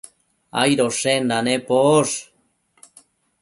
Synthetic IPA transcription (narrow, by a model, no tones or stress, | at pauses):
a̰jɾoʂend̪anepoʂ